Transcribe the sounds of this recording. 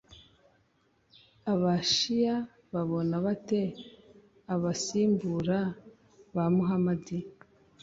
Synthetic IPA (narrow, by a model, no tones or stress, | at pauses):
aβaʃija | βaβo̞naβate̞ | aβasiːmbuɾa | βamuɦamadi